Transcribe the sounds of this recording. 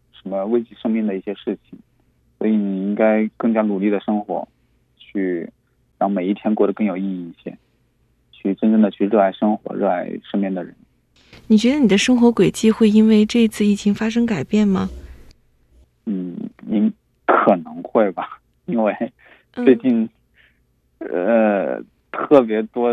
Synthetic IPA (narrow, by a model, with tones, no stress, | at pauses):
ʂə˧˥nmə˧we˥ɪt͡ɕi˥ʂɤ˥ŋmi˥˩ŋd̪ə˩i˥˩ɕjɛ˥ʂɻ̩˥˩t͡ɕʰi˨˩ŋ | swɔ̰˧˥i˧˩ni˨˩i˥ŋka˥ɪkɤ˥˩ŋt͡ɕja˥nu˨˩li˥˩d̪ə˩ʂɤ˥ŋxwɔ̰˧˥ | t͡ɕʰy˥˩ | ɻɑ˥˧ŋme˨˩ɪi˥˩t̪ʰjɛ˥nkwɔ˥˩ɾə˩kɤ˥˩ŋjo˨˩ʊi˥˧˥i˧i˥˩ɕjɛ̰˥ | t͡ɕʰy˥˩ʈ͡ʂə˥nʈ͡ʂɤ˥˩ŋd̪ə˩t͡ɕʰy˥˧ɻɤ˥˧a˥˩ɪʂɤ˥ŋxwɔ̰˧˥ɻɤ̰˥˧a˥˩ɪʂɤ˥˧ŋmjɛ˥˩nd̪ə˩ɻə˧˥n | ni˨˩t͡ɕɥɛ˧˥d̪ə˧ni˨˩d̪ə˦ʂɤ˥ŋxwɔ˧˥kwe˨˩ɪt͡ɕi˥˧xwe˥˧ɪi˥nwe˥˧ɪʈ͡ʂɤ˥˩˧t͡sʰɹ̩˥˧i˥˩t͡ɕʰi˧˥ŋfa˥ʂ̬ɤ˥ŋka˨˩ɪpjɛ˥˩nmɐ˩ | n̩˥˩ni˧˥n | kʰɤ˨˩nɤ˧˥ŋxwe˥˩ɪbɐ˩ | i˥nwe˥˧ɪ | t͡swe˥˧ɪt͡ɕi˥˧n | ə˧ | t̪ʰɤ˥˩pjɛ˧˥t̪wɔ˥